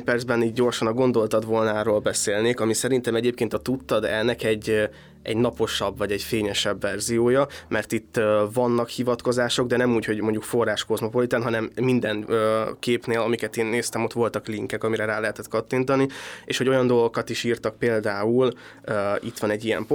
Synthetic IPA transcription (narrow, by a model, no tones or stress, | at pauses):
pɛrd̪zbɛniːd̪̚ɟo̞rʃɒnɒɡo̞nd̪o̞lt̪ɒd̪ʋo̞lnaːroːlbɛseːlneːkɒmisɛɾint̪ɛmɛɟeːp̚keːnt̪ɒt̪ut̪ːɒd̪ɛ̰nnːɛkɛɟː | ɛ̰ɟnɒpo̞ʃɒbvɒɟɛɟfeːɲɛʃɛbvɛrzijoːjɒmɛrt̪it̪ːvɒnːɒkhivɒt̪ko̞zaːʃo̞ɡd̪ɛnɛmuːcho̞ɟmo̞ɲɟukfo̞rːaːʃko̞zmo̞po̞lit̪ɛnɦɒnɛmːind̪ɛnøːkeːpneːlɒmikɛt̪eːnːeːst̪ɛmo̞t̪ʋo̞lt̪ɒkliŋkɛkɒmiɾɛɾaːlɛɦɛt̪ɛt̪kɒt̪ːint̪ɒnieːʃhoo̞jɒnd̪o̞lɡokɒt̪iʃiːrt̪ɒk̚peːld̪aːul | øit̪ʋɒnɛɟːijɛ̰mp